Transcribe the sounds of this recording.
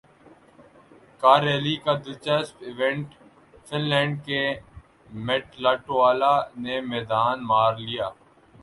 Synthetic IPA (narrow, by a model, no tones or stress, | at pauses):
kaːɾeːlikad̪ɪt͡ʃəspɪʋɛ̃ɳʈ | fɪnlɛ̃ːɳɖ̚ke | mɛːʈlaːʈoaːlanemɛːd̪aːnmaːɾlijaː